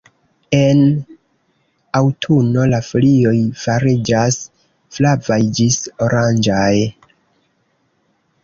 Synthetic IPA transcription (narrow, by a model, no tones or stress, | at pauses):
e̞n | awtʰuno̞laflio̞jfaɾid͡ʒas | flavajd͡ʒiso̞ɾand͡ʒaj